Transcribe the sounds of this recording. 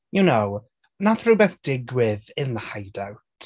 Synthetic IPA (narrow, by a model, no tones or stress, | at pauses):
junow | naθrʊjbɛθd̥ɪɡwɪðɪnðəhajdawtʰ